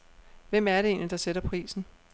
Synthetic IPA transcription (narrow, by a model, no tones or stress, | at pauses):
ʋem̰æɐɾe̝e̝̰ːnlid̥ɑ̈seɾɐpʰʁḭːsn̩